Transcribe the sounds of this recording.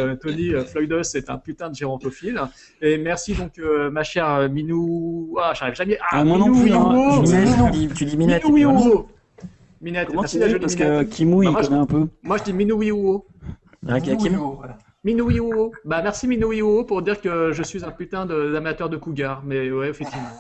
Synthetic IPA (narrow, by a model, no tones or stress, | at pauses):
t̪ɔniøflɔjd̪ɔsɛt̪ɛ̰̃pyt̪ɛ̃d̪əʒeʁɔ̃t̪ofil | emɛʁsid̪ɔ̃kømaʃɛʁøminuaʒaʁivʒamjɛʔaniñuwĩoinɛd̪it̪yd̪iminɛt̪uwi | minɛt̪k̪ɛsiaʒəd̪iasmsink̪əkʲʰimuiamwanɛɛ̃pømwaʒəd̪iminuwiuo | kimu | minuwiobamɛʁsiminuwiuopuʁd̪iʁkəʒəsɥizɛ̃pyt̪ɛ̃d̪əd̪amat̪œʁd̪əkuɡaʁmɛwɛefɛk̚t̪ivmɑ̃